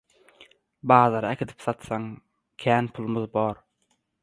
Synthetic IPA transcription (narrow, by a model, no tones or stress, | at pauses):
bɑːðɑɾɑekʰʲid̪i̥pθɑt̪sɑŋ | kʲʰæːnpʰulˠmɯðboːɾ